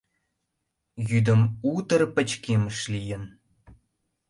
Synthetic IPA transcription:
jyd̪ə̆mut̪ə̆rpə̆t͡ɕkʲeməʂlʲijɘ̆n

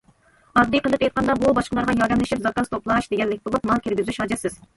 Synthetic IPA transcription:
ɑd̪ːɨqʰəlˠɨpɛjt̪̚qɑnd̪ɑbubɑʃqəlˠɑɾʁɑjɑɾd̪ɛmlɪʃipzɑkɑnst̪oplˠɑʃd̪eɡʲɛlːɪkʲbolˠupmɑlˠkʲiɾɡʲyzyʃɑd͡ʒɛsɪz̥

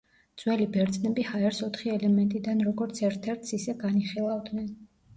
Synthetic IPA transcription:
d̪z̥wɛlibɛɾd̪zʼnɛbihaɛɾsɔt̪ʰχiɛlɛmɛnt̪ʼid̪anɾɔɡɔɾt̪sʰɛɾt̪ʰɛɾt̪ʰsisɛɡaniχilˠavd̪nɛn

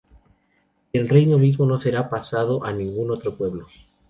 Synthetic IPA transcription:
elre̞jnoβ̞izmo̞no̞se̞ɾapasað̞oʔanĩŋɡuno̞t̪ɾo̞pwe̞βlo

